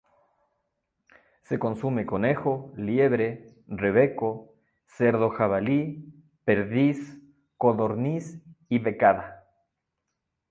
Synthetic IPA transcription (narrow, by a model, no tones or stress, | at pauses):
se̞ko̞nsumeko̞nexoljeβɾe̞ | reβe̞ko | seɾðo̞xaβali | pe̞ɾðis | ko̞ðo̞ɾnisiβe̞kaða